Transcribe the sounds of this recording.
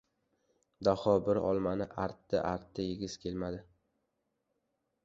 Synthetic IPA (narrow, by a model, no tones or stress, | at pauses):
d̪ahɒbɪɾɒ̰lˠmanɪʔaɾt̪ːɪʔaɾt̪ʰːajɪɡʲɪz̥kʲʰe̞lmad̪ɪ